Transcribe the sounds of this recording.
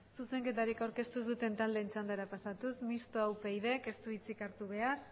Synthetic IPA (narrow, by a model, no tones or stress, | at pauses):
suse̞ŋke̞t̪aɾikawɾke̞st̪usut̪e̞nt̪ald̪eːnt͡ʃand̪eɾapasat̪usmist̪oawpejðe̞ke̞st̪uit͡sikaɾt̪uβ̞e̞ar